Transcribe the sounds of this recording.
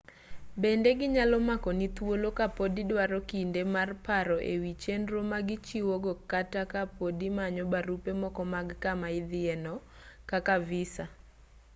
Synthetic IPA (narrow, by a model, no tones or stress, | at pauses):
bendeɡɪɲalɔmakɔnit̪wolokapodidwaɾɔkindemarpaɾɔʔewit͡ʃenɾomaɡɪt͡ʃiwoɡɔkatakapodimaɲɔbaɾupemɔkɔmaɡkamaɪd̪ɪɛnɔ | kakavɪsa